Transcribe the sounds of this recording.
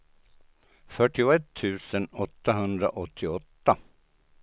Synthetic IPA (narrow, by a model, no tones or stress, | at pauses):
fœʈɪʊɛt̪ʰːʉ̟ːsənɔt̪ːaɦɵnd̪ɾa̰ʔɔt̪ʰːɪɔt̪ːa